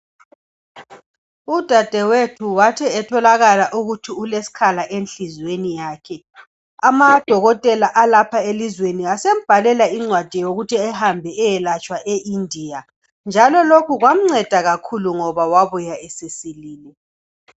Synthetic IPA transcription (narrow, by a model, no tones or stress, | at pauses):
ud̥ʱad̥ʱɛwetʰuwatʰɛɛtʰɔlaɣalaʔuɣutʰiulesi̥kʰalaʔenɬizwenijaːkʰɛ | amad̥ʱɔɣɔtʼɛlaʔalapʰaelizweniasem̩b̥ʱalɛlaiŋ͡ǀwad̥ʱijoɣutʰiɛhambʱɛɛjɛlat͡ʃʼwaʔeʔindʱija | nd͡ʒʱalɔlokuɣwam̩ŋ͡ǀɛd̥ʱaɣakʰuluŋɔβawaβujaesesiliːlɛ